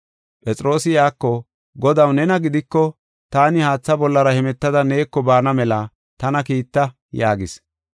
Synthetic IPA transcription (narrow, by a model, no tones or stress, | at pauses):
pʼɛt͡sʼɾo̞ːsɪjaːkːɔ | ɡɔd̪ɐwnɛnɐɡɪd̪ɪkːɔ | t̪aːnɪhaːt͡sːɐbɔlːɐɾɐhɛmɛt̪ːɐd̪ɐne̞ːkːɔbaːnɐmɛlɐ | t̪ɐnɐkiːt̪ːɐ | jaːɡɪs